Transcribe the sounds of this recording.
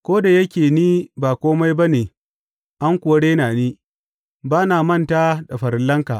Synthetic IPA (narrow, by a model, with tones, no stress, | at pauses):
kʷoː˦da˨jɐ˦kʲeː˨niː˦baː˨kʷoː˦ma˦jba˦neː˨ | ʔa˦ŋkʷʊ˨wɐ˦ɽeː˦naː˨niː˦ | baː˦naː˨mɐ˦nta˦ɗɐ˨ɸɐ˨ɾɪ˨lːɐ˦ŋka˨ʔ